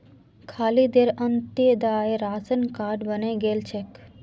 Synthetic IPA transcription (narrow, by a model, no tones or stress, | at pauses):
kʰaːlid̪eɾənt̪ed̪aːeɾaːsənkaːɖbəneɡelt͡ʃʰek